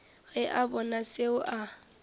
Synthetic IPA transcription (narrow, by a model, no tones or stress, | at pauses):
ɣɛʔabɔnaseʊʔa